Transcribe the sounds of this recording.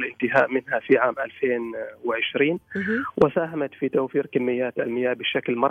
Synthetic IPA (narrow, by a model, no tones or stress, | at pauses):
lʔɪnt̪ɪɦa̰ːʔmɪnɦafiʕaːmʔa̰lfeːnwɪʕɪʃɾiːnwɪsaːɦamat̪fit̪awfiːɾkamːɪjːaːt̪almɪjːaːbɪʃːaklmɑɾˤ